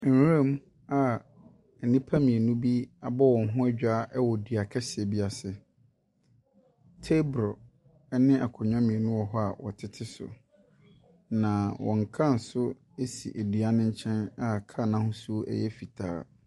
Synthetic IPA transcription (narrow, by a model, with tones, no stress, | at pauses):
ẽ˦m˦ | a˨ | e˨nĩ˦pʰa˦mĩ˨e˨nũ˦bi˦a˨bɔ˦wɔ̃˨nɦʊ̃˦ɛ˦d͡ʑᶣa˦ʔɛ˦wɔ˨dɥa˨kʰɛ˦sɪ˨ɛ˨bi˦a˨sɪ˨ | tʰe˦bɾɔ˨ | ɛ˦nɪ̃˦ʔa˨kʰʊ˨ɲᶣã˦mĩ˨e˨nũ˦wɔ˨ɦɔ˦a˨wɔ̰˨tʰɪ˦tʰɪ˦sʊ̰˨ | nã˨wɔ̰̃˨ŋ˨kʰã˦n̩˨sʊ˦ | e˦sḭ˨ʔe˨di˨a˦nɪ̃˦ɲ˦t͡ɕʰɛ̃˦na˨kʰa˦˨nã˦hʊ̃˦su˦o˦ʔɛ̰˦jɛ˦fi˨tʰa̰ː˦